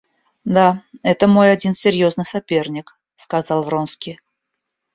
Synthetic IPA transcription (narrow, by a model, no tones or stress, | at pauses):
d̪aɛt̪əmo̞jɐdʲinsʲɪɾʲjo̞znɨjsɐpʲe̞rnʲɪk | skɐzɑlˠvro̞nskʲij